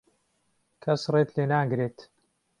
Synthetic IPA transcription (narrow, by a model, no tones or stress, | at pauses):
kʰɐsreːt̪leːnaːɡɾeːt̪